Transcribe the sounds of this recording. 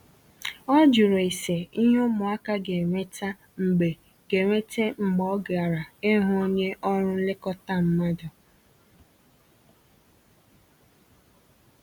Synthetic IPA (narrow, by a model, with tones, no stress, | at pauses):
ɔ˦d͡ʒʊ˨ɾo˨e˨se˨i˦ɦo˦mʊ˨a˦ka˦ɡe˨ŋʷe˦ta˦ | ŋ͡m̩˨ɡ͡be˨ | ɡe˨ŋʷe˦te˦ŋ͡m̩˨ɡ͡bɔ˦ɡa˨ɾa˨e˦ɦʊ˦o˦ɲe˦ʔɔ˦ɾʊ˦lɪ˦kɔ˦ta˦m̩˦ma˦dʊ˨